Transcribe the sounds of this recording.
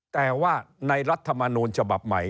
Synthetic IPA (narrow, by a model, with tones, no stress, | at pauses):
t̪ɛː˨˩waː˥˩na˧jɾa˦˥t̪ʰːa˧ma˧nuː˧nt͡ɕʰa˧ba˨˩p̚ma˩˦j